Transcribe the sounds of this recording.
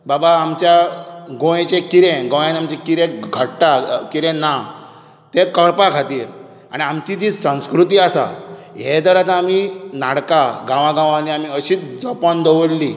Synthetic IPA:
babaːmt͡ɕjaɡõjẽt͡ɕekiɾẽɡõjãnamt͡ɕekiɾẽɡʱəɽʈakiɾẽna | t̪ekəɽpakʰat̪iː | a̰ɽ̃iamt͡ɕid͡ʑisə̃w̃skɾut̪iːasa̰ | ɦed͡z̪əɾat̪aaminaɽkaɡãʋãɡãʋãniam̤iəɕiːt̪d͡zɔpand̪oʋəɽli

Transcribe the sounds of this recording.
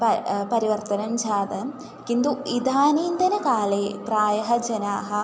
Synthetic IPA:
pɐpɐɾiʋɐɾt̪ɐnɐmd͡ʒʱaːd̪ɐm | kind̪uid̪ʱaːniːnd̪ɐnɐkaːleːpɾaːjɐɦɐd͡ʒɐnaːɦɐ̆

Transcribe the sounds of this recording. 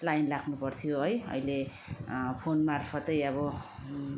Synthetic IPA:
lajnlaɡnupʌrt̪ʰijoɦʌjʌ̰jle | pʰonmarpʰʌt̪ʌjʌβʌ

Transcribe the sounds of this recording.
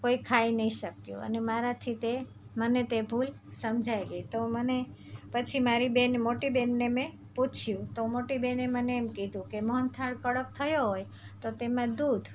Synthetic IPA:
koikʰajnəɦĩʃəkjṵ̃ə̰nemaɾat̪ʰit̪e | mənet̪ebʱul | səmd͡ʒʱaelit̪oməne | pət͡ʃʰimaɾibenmoʈibenːemẽ | put͡ʃʰjũt̪omoʈibeneməneːmkid̪ʱũkemɔɦənt̪ʰaɭkəɽək̚t̪ʰəjoɦoj | t̪ot̪emãd̪ud̪ʱ

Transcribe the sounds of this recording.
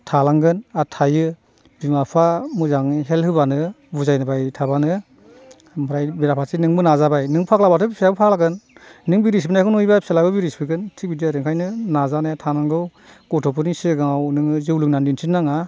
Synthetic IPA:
tʰalaŋɡɯnatʰajɯ | bimapʰamuzaŋiɦelhɯbanɯ | buzajnɯbajtʰabanɯ | mɯɾajbiɾapʰasinɯŋbɯnazabajnɯŋpʰaklabatʰɯbipʰeabɯpʰalaɡɯnːɯŋbiɾis̬binajkɯnujbapʰi̥selabɯbiɾispiɡɯntʰik̚bidiɾeŋkʰajnɯnazanajatʰanaŋɡɯwɡ̥ɔtʰɔpʰɯnisiɡaŋawnɯŋɯzɯwlɯk̚nandinsʰinːaŋa

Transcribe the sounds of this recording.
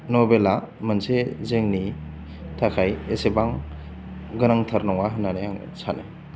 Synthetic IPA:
nobela | mɐnsezeŋni | tʰakʰajesebaŋ | ɡɯnaŋtʰaɾnɔŋaɦɯnaneaŋ̰ | sʰanḛ

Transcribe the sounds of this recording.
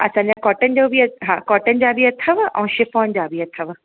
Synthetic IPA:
ɐ̰sãːɲd͡ʑãkɔːʈənɪ̆d͡ʑoːbiɐɦaːkɔːʈən̆d͡ʑaːbiɐt̪ʰəʋʔɛ̰̃ːʃɪfoːnd͡ʑaːbiɐt̪ʰəʋ

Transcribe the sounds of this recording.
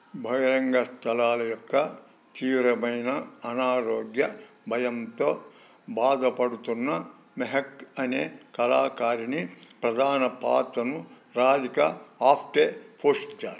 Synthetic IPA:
bʱɐjɐɾɐŋɡɐst̪ʰɐlaːlɐjɔkːɐ | t̪iːʋɾɐmɐjnɐːnaːɾoːɡjɐ | bʱɐjɐnt̪o | baːd̪ʱɐpɐɽut̪unːɐ | meɦɐkɐneːkɐlaːkaːɾinipɾɐd̪ʱaːnɐpa̰ːt̪ɐnu | ɾaːd̪ikɐaːpʰʈeːpʰoːʂi̥t̪ːa̰ːɾi

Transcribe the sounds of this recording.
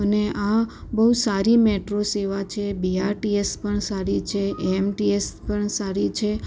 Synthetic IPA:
əneabəusaɾimeʈɾoseʋat͡ʃʰebiaɾʈiespəɳsaɾit͡ʃʰeemʈiespəɳsaɾit͡ʃʰe

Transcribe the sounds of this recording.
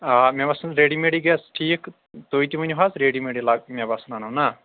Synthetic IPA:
aːmɛ̃bɐsnɾeːɖiːmeːɽiːɡɛsʈʰiːk | t̪oːit̪imɐɲɦaːzɾeːɽimeːɽilaɡmɛ̃bɐsnaːnona

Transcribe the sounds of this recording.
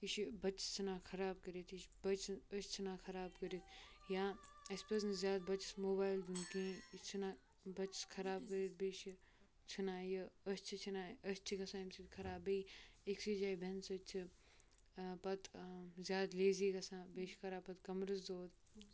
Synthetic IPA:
iʃibɐt͡ʃt͡ʃʰɐnãːkʰɐɾaːb̚kɐɾit̪iʃbɐt͡ʃəʃt͡ʃʰinãːkʰɐɾaːbkɐɾit̪ | jãː | ɐspɐs̬nzjaːd̪̚bɐt͡ʃsmoːbaːjld̪unkĩːt͡ʃʰinaː | bɐt͡ʃskʰɐɾaːb̚kəɾit̪̚beʃi | t͡ʃʰinãːjɐɐst͡ʃʰit͡ʃʰinaːɐst͡ʃʰikɐsaːimsit̪kʰɐɾaːbejeksiːd͡ʒaːibʱensɐt͡ʃʰi | pɐt̪zjaːd̪leːziːkɐsãːbeːʃkʰɐɾaːpɐt̪kɐmɾɨs̬d̪oːd̪

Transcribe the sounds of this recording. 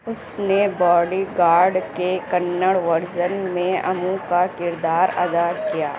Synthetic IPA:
ʊsnebɔːɖiɡaːɾɖkekɐnːəɽʋɐɾd͡ʒənmẽɐmũkakɪɾd̪aːɾɐ̰d̪akija̰ː

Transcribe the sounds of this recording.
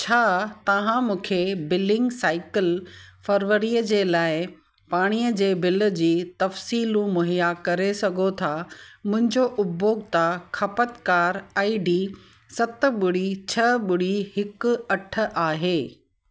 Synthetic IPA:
t͡ɕʰaːt̪ɐʋ̤ãmũːkʰebɪlɪ̃ŋɡsaːɪkɪlfɐɾʋəɾijəd͡ʑeːlaːɪ | paːɽ̃ijəd͡ʑeːbɪlə̆d͡ʑiːt̪ɐfsiːlũmʊɦijakɐɾesɐɡʱot̪ʰamʊ̃ɦɪ̃ɲd͡ʑoʔʊboːɡt̪akʰɐpət̪kaːɾaːiɖiː | sɐt̪ə̆ɓʊɽ̤it͡ɕʰɐɓʊɽihɪkʊ̆ɐʈʰə̆ʔaːɦeː

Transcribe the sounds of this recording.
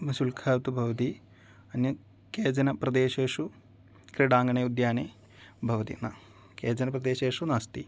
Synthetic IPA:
mɐsulkʰaːt̪ubʱɐʋɐt̪i | ɐnjɐ | keːd͡ʑɐnɐpɾɐd̪eːʃeːʂu | kɾiɖaːŋɡɐɳeud̪jaːne | bʱɐʋɐt̪ḭnɐ | keːd͡ʑɐnɐpɾɐd̪eːʃeːʂunaːst̪ḭ

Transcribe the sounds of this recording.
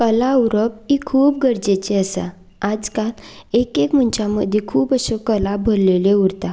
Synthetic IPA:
kəlaəwɾəp̚ikʰuːp̚ɡəɾd͡ʑet͡ɕeəsa̰ | ad͡zkalekekm̤əɳt͡ɕaməd̪ʱjekʰuːpəɕəkəlabʱəɾleleuɾt̪a

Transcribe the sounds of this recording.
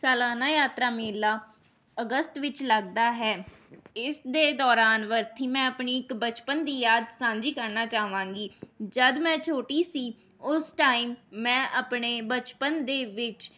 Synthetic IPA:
sɛːlaːnaːjaːt̪ɾaːmeːlaː | əɡəst̪ʋɪt͡ʃləɡd̪aːɦɛːɪsd̪eːd̪ɔːɾaːnʋəɾt̪ʰiːmɛ̃ːəpɳiːɪkbət͡ʃpənd̪iːjaːd̪sãːnd͡ʒiːkəɾnaːt͡ʃaːʋãːŋɡiːd͡ʒəd̪mɛ̃ːt͡ʃʰoːʈiːsiː | ʊsʈaːiːmːɛ̃ːʔapɳeːbət͡ʃpənd̪eːʋɪt͡ʃ

